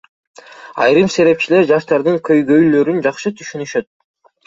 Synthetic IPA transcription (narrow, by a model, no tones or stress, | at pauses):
ɑ̰jɾɯmse̞ɾe̞p̚t͡ʃile̞ɾd͡ʒɑʃt̪ɑɾd̪ɯŋkʰø̞jɡø̞jlø̞ɾynd͡ʒɑqʃɯt̪ʰyʃynyʃø̞t̪̚